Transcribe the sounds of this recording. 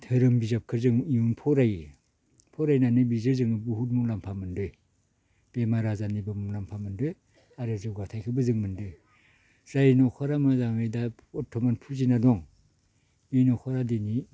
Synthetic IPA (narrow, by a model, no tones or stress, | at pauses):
tʰɯɾɯmbizap̚kʰɯɾzɯŋiunpʰɔɾaj | pʰɔɾajnanɯbizɯɾzɯŋɯbuɦut̬̚muŋlampʰamɯndɯj | b̥emaɾazanibɯmuŋlampʰamɯndɯj | aɾɯzɯɡatʰajkʰɯbɯzɯŋmɯndɯj | zajnɔkʰaɾamazaŋɯjda | ɔtʰɔmanpʰuzinadɔŋ | inɔkʰaɾadeni